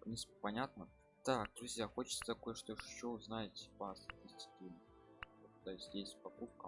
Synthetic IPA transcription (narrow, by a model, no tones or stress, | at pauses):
nʲisppɐnʲat̪nə | d̪ak̚d̪ɾʊzʲjaxo̞t͡ɕɪ̥t̪sə̥t̪ɐko̞jəʂt̪oɪʂt͡ɕːoznajɪtʲɪ̥pasɐtʲisʲtʲɪ̥kʲɪm | ot̪t̪ːojɪsʲtʲjesʲtʲpɐkup̚kə